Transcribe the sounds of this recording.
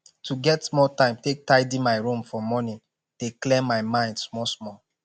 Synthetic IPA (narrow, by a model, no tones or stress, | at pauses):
tʰuɡɛtsmɔtãɪ̃mtek̚taɪdĩmaɪɹũmfɔmɔnĩ | deklɛ̃mmːaɪmãɪ̃ndsmɔsmɔl